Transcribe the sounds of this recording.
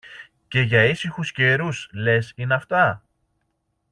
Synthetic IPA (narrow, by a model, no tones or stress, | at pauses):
ce̞ʝɐisixusce̞ɾusle̞sinɐft̪ɐ